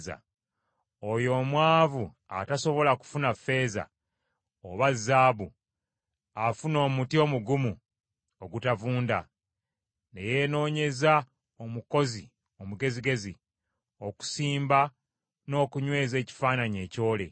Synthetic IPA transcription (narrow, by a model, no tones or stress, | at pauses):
za̰ | ojo̞ːmwaːvu | a̰taso̞βo̞laku̥funafe̞ːza̰ | oβazːaːβu | afuno̞ːmutio̞muɡumu | oɡutavuːnda̰ | ne̞je̞no̞ːɲe̞za | omuko̞zi | o̞muɡe̞ziɡe̞zi | o̞ku̥siːmba | no̞ːkuɲwe̞ːze̞ːci̥faːnaɲe̞ːco̞ːle̞̰